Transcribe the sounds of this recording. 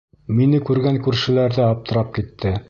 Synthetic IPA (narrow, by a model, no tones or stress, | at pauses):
minɘkʉɾɡæŋkʉɾʃɘ̆læɾðɘɑp̚t̪ɤ̆ɾɑp̚kit̪ːɘ